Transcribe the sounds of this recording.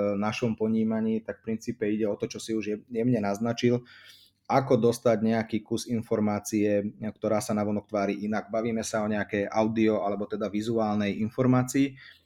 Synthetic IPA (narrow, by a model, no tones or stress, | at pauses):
naʃɔmpɔɲiːmaɲiːt̪akfpɾint͡siːpɛiɟɛɔt̪ɔt͡ʃɔsiuʒɛjɛmɲɛnaznat͡ʃil | akɔd̪ɔst̪aɟɲɛakiːkusinfɔɾmaːt͡siɛkt̪ɔɾaːsanaʋɔnɔk̚t̪ʋaːɾiʔinaɡ̚baʋiːmɛsaɔɲɛakɛjʔaʊd̪iɔalɛbɔt̪ɛd̪aʋizuaːlnɛjinfɔɾmaːt͡siː